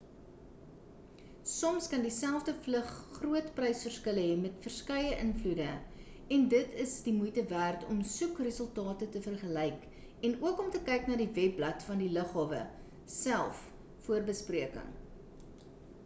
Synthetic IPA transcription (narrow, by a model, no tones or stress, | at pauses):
sɔmskɐndisælˠfdəfləχːruətprɛjsfərskələɦɛmɛtfərskɛjəʔənfludə | ɛndətəsdimujtəvæːrtʰɔmsukrəsəlˠtɑːtətəfərχəlɛjk | ɛnuəkɔmtəkɛjknɑːdivɛpblɐtfɐndiləχɦɑːvə̰ | sælˠf | fuərbəspriəkə̰ŋ